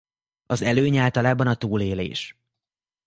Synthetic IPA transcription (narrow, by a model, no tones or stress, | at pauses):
ɒzɛløːɲaːlt̪ɒlaːbɒnɒt̪uːleːlḛːʃ